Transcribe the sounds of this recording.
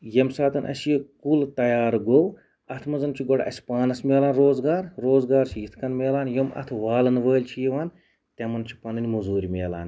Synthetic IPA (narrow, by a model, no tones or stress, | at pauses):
jɐmsaːt̪ɐnʔɐ̰sjekult̪ɐjaːɾɡow | ɐt̪ʰmɐzɐnt͡ʃʰiɡɔɽʔɐ̰si̥paːnɐsmʲeːlaːnɾoːzɡaːɾɾoːzɡaːɾt͡ʃʰijit̪ʰkɐnmʲeːlaːnjomɐ̰t̪ʰʋaːlɐnʋəːlʲt͡ʃʰijeʋaːn | t̪ʲɐmɐnt͡ʃʰi̥pɐnɨnʲimuzuːɾʲimʲeːla̰ːn